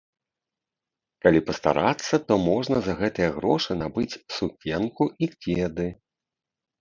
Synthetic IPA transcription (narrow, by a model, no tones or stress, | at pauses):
kalʲipɐst̪a̰ɾat̪sːɐt̪ɔmɔʐnɐzɐɣɛt̪ɨjɐɣɾɔʂɨnabɨt͡sʲsukʲɛnkuʔikʲed̪ɨ